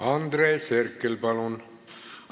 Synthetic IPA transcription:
ɑnd̪ɾeːserkːelpɑlun

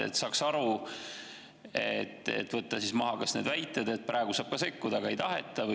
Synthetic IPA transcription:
ḛt̪sɑːksɑɾu | et̪ːḛt̪ːˑvɤt̪ːˑɑsismɑɦɑkɑsne̞ːd̪væjt̪ːˑed̪̥et̪̚pɾɑˑeɡ̥usɑːb̥kɑse̞kːud̪̥ɑɡɑejt̪ɑɦe̞̰t̪ːˑɑv

